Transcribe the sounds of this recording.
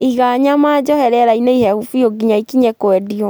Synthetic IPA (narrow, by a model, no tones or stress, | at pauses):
iɣaɲamad͡ʒɔhɛɾɛɾaineihɛhufioɡiɲaikiɲɛkoɛdiɔ